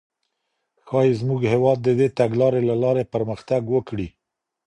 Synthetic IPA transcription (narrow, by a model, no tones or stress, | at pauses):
xɑjezmuɡhewɑd̪̚ːəd̪et̪aɡlɑɾelalɑɾepəɾməxt̪aɡwəkɽi